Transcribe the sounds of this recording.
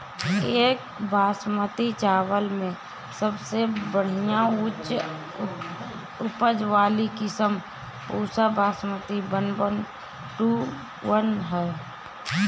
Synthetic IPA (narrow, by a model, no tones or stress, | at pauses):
eːk | bʱaːsmət̪it͡ʃaːwəlmẽ | səbsebəɽ̤ijaut͡ʃ | ʊpəd͡ʒʋaːlikɪsəm | puːsabʱaːsmət̪ibənbən | ʈu | wənɦɛː